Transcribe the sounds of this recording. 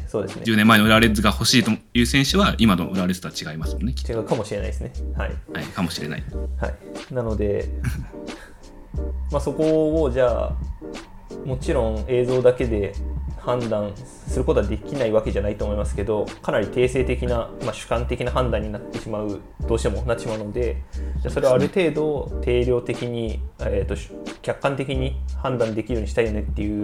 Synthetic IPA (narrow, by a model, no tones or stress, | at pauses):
so̞ːd̪e̞sɨ̰neɨːnemːaenooɾaɾezɨɡaho̞ɕiːt̪ojɯ̟ːsẽɕɨβaimad̪oo̟ɾaɾezɨt̪oat͡ɕiɡaimasɨmonːei̥t͡ɕiɡaɯ̟kamo̞ɕiɾe̞na̰id̪esɨne̞ha̰ḭhaikamo̞ɕiɾe̞na̰iha̰inano̞d̪e̞ | maːso̞ko̞ːʑaː | mo̞t͡ɕiɾõ̞ɴ̃e̞ːzo̞ːd̪ake̞d̪e̞hãnd̪ãɰ̃ | sɨɾɯ̟ko̞t̪oad̪e̞kʲinaiβake̞ʑanait̪oːmo̞imasɨ̥ke̞d̪o̞kanaɾʲit̪e̞ːse̞ːt̪e̞kʲinamaɕɨ̥kãnt̪e̞kʲinaɦãnd̪ãɲ̟ːinat̪ːe̞ɕimaɯ̟ | d̪̥oːɕi̥t̪e̞mo̞nat̪ːeɕimaɯ̟no̞d̪e̞d͡ʑaːso̞ɾe̞βaɾɯ̟t̪e̞ːd̪o̞t̪ʰe̞ːɾʲo̞ːt̪e̞kʲiɲ̟iet̪ːo̞ɕkʲakːãnt̪e̞kʲiɲ̟ihãnd̪ãnd̪e̞kʲiɾijoɲiɕi̥t̪aijonet̪ːe̞jɯ̟